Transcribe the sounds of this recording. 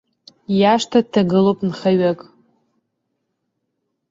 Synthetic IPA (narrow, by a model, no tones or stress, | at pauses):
jaʂtʰatʰaɡɨlowpʼnχaɥakʼ